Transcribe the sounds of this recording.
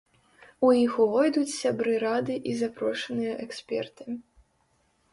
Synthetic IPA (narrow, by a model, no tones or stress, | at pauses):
ujixuvɔjd̪ut͡sʲsʲabɾɨɾad̪ɨʔizapɾɔʂɐnɨjɐʔɛksʲpʲɛ̰rt̪ɨ̥